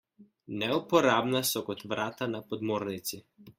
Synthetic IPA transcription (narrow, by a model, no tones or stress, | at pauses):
nɛupɔɾabnasɔkɔt̪ʋɾʔaːt̪anapɔd̪moɾnit̪si